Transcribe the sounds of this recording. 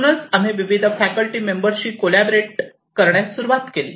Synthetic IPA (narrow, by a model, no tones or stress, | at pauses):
ñət͡sam̤iːʋiʋid̪ʱəfækəlʈiːmembəɾɕiːkolæbɾeʈ̚ | kəɾɳjasuɾuʋat̪kelḭː